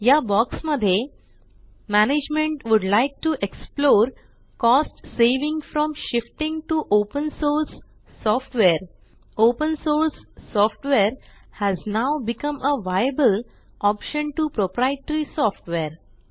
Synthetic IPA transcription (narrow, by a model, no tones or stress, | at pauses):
jabɔksməd̪ʱje | mæned͡ʑmẽɳʈʋuɖlaɪk̚ʈuʔeksploːɾ | kɔsʈseʋĩŋɡfɾɔ̃mʃɪfʈɪ̃ŋɡʈuʔopə̃nsoɾsː | ɔfʈʋeɾ | opə̃nsoːɾsːɔfʈʋeɾhæznaʊbikə̃mʔəʋajəbəl | ʔɔpʃə̃nʈupɾopɾaeʈəɾisɔfʈʋeɾ